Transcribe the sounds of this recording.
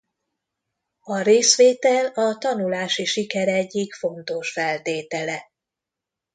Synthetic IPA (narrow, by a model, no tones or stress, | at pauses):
ɒɾeːsʋeːt̪ɛlɒt̪ɒnulaːʃiʃikɛɾɛɟːikfo̞nt̪o̞ʃfɛlt̪eːt̪ɛlɛ